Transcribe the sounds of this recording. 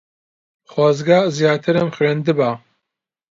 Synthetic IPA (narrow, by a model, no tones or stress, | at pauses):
χwɑːzɡaːzjaːt̪ʰɨɾɐmxɾend̪ɨbaː